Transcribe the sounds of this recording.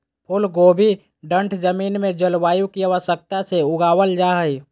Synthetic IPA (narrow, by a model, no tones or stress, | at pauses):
pʰʊlɡobʱi | ɖə̃ɳʈʰd͡ʒəmiːnmẽd͡ʒəlwaːjukiaʋəʃək̚t̪aseʊɡawəld͡ʒaɦəj